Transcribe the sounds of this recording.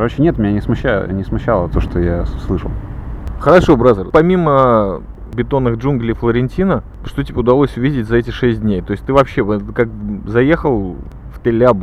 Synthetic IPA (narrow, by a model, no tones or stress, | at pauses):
kɐɾot͡ɕɪnʲet̪mʲɪnʲanʲɪsmʊɕːa̰nʲɪsmʊɕːalˠət̪oʂt̪ojaslˠɨʂə̰lˠxəɾɐʂo̞bɾazərpɐmʲimə | bʲɪt̪o̞nːɨxʐunɡlʲiflˠəɾʲɪnʲtʲinə | ʂt̪otʲɪbʲeʊd̪ɐlˠosʲʊvʲidʲɪtʲzɐɛtʲɪʂɛsʲt̚ʲdʲnʲejt̪o̞ɪsʲtʲt̪ɨvɐpɕːevəkak̚zɐjexəlˠ | ft̪ɪlʲab